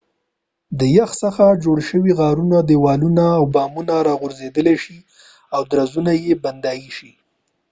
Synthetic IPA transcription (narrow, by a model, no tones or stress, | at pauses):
d̪əjaxsəxad͡ʒoɽʃəwiɣɑɾunad̪ewɑlunaːwbɑmunaɾɑɣʊɾzed̪əleʃi | awd̪ɾazunajeband̪ɑjiʃi